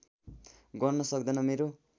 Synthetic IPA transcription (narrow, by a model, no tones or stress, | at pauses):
ɡʌrnʌsʌkd̪ʌnʌmeɾo